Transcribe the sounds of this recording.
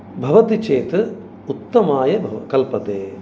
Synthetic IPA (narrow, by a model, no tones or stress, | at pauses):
bʱɐʋɐt̪it͡ʃeːt̪ɨ | ut̪ːɐmaːjɐbʱɐkɐlpɐt̪eː